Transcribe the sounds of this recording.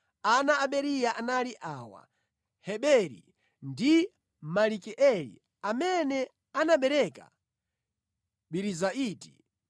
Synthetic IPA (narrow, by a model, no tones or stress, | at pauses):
anaːɓɛɾijaʔanaliʔaːwa̰ | hɛɓɛɾḭ | ndi | malikɛʔɛlḭ | amɛnɛ | anaɓɛɾɛka̰ | ɓiɾizaiːti̥